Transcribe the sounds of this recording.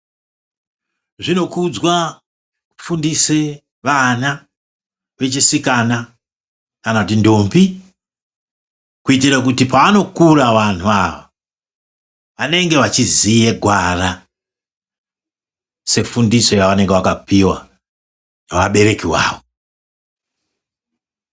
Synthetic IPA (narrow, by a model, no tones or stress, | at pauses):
ʐino̞kud͡zwa | fundise | ʋana | ʋe̞t͡ʃisikana | kanatindombi | kuitiɾak̬utipaːno̞kuɾaʋantuaʋo | ʋane̞ŋɡe̞ʋat͡ʃizije̞ɡʱwara | se̞fundiso̞jaane̞ŋɡeakapiwa̰ | nawaɓe̞ɾe̞kiwa̰ːwo